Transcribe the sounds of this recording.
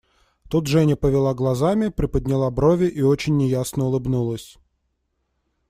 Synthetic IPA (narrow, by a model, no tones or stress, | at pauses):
t̪ut̪ʐɛnʲəpəvʲɪlˠaɡlˠɐzamʲɪpɾʲɪpəd̪ʲnʲɪlˠabɾovʲɪʔio̞t͡ɕɪnʲːɪjasnəʊlˠɨbnulˠəsʲ